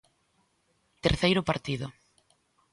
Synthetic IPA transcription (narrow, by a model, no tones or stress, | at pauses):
t̪eɾθejɾʊpaɾt̪iðʊ